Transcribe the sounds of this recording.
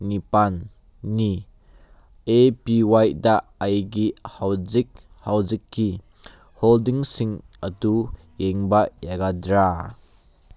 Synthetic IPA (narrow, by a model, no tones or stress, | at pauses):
nipanː | i | ʔepiwajdaʔɐjɡihaw | hɐwzikːi | holdiŋsiŋ | ʔɐt̪u | jeŋbajaɡadɾa